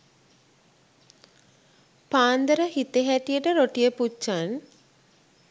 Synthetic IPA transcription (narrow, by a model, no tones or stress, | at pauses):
paːnd̪əɾəhit̪eɦæt̪ijəʈəɾoʈijəput͡ʃːan